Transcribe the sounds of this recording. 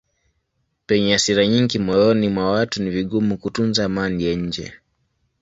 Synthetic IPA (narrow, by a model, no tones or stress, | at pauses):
pɛɲɛasiɾaɲiŋɡimɔjɔnimwawatuniviɠumukutunzaːmanijaɲ̩d͡ʒɛ̰